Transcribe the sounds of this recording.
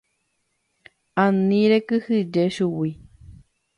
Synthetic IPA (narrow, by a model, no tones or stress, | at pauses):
anĩɾekɨhid͡ʒeʃuwi